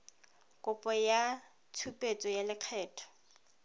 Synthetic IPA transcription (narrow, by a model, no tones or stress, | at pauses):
kʼʊpʼɔja | t͡sʰupʼet͡sʼɔjalɪq͡χʰɛːtʰɔ̥